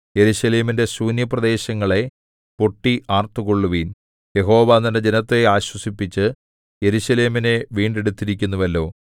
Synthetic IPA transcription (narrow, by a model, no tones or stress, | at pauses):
je̞ɾuɕɐle̞ːminde̞suːnjɐprɐd̪e̞ːɕɐŋːɐɭe̞ | poʈːiʔaːrt̪ːukoɭːuʋiːn | je̞ɦo̞ːʋaːnɐnɐd͡ʑenɐt̪ːe̞aːɕwɐsipːit͡ɕːɨ | je̞ɾuɕɐle̞ːmine̞ʋiːɳɖeɽut̪ːiɾikʲːunːuʋɐlːo̞ː